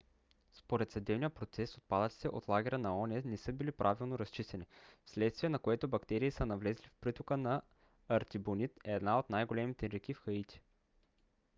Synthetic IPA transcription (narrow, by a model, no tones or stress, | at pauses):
spoɾɛt̪sɐd̪ɛbnijəpɾot̪sɛsot̪̚pad̪ət̪i̥t̪ɛʔo̰t̪lˠaɡʲɛɾənɐɔnʲɛnɛsɤbilipɾʔavilˠnoɾɐst͡ʃist̪ɛnifslɛt̪st̪viɛnɐkoɛt̪obɐkt̪ɛɾiːsənɐvlɛzlifpɾit̪okənɐː | ɾt̪ʲibonit̪ɛːd̪naot̪najɡolɛmit̪ɛɾɛk̟ifxɐit̪ʲi̥